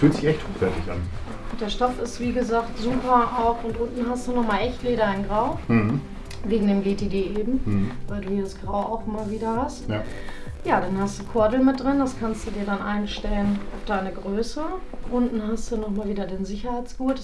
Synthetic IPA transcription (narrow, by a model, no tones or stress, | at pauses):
fyːltz̥ɪçʔɛçthoːχv̥ɛɐtɪça̰n | ʔʊnd̥eːɐʃtɔfɪstv̥iːɡəzaːktz̥uːpɐʔaʊxʊntʔʊntn̩ɦastd̥uːnɔχmaːlʔɛçtleːɾaaɪnɡʁaʊ | veːɡŋ̩deːmɡeːtʰeːdeːʔeːbm̩vaɪlduːhiːdasɡ̥ʁaʊʔa̰ʊxʔɪmaːlviːdɐhast | jaːdanhastd̥uːkʰɔɐdl̩mɪt̚d̥ʁɪnd̥askʰanstd̥uːdiːɐdanʔa̰ɪnʃtɛlənafd̥aɪnəɡʁøːsəʔʊntn̩ɦastd̥unɔχmaːlviːdɐdeːnzɪçɐhaɪt͡sɡ̥uːt